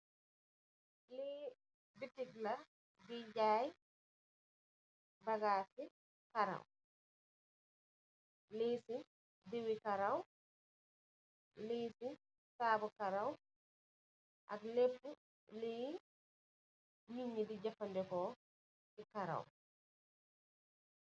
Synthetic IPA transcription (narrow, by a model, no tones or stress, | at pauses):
le | bitiɡla | ɡid͡ʒaːj | baɡaːsi | kaɾa̰w | lesi | diwikaɾaw | lejsi | saːbɔkaɾaw | ʔa̰ɡlepːu | lɛj | miɲːidid͡ʒafandɛkɔ | ɛkaɾa̰w